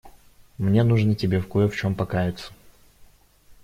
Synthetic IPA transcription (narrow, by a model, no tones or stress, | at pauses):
mnʲe̞nuʐnətʲɪbʲefkojəft͡ɕo̞mpɐkajɪt̪sə̥